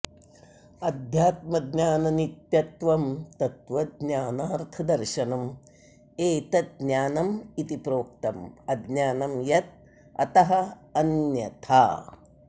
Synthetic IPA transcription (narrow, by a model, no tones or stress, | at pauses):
ɐd̪ʱjaːt̪̚mɐd̪njaːnɐnit̪jɐt̪ʋɐmt̪ɐt̪ʋɐd̪naːnaːɾt̪ʰɐd̪ɐɾʃɐnɐm | eːt̪ɐt̪̚naːnɐmit̪ipɾoːk̚t̪ɐmɐd̪njaːnɐmjɐt̪̚ | ɐ̰t̪ɐɦɐ | ɐnjɐt̪ʰaː